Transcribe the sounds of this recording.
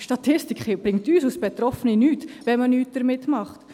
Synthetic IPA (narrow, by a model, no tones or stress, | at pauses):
ʃtɑt̪ʰɪstikχɪb̥rɪŋ̚tyːsusb̥ɛt̪rɔfəninyːtvɛmənyːt̚d̥əɾmɪtmɑχt